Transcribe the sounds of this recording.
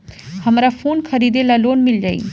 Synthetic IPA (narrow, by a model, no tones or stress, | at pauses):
həmɾapʰuːnkʰəɾiːd̪elaloːnmɪld͡ʒaːḭ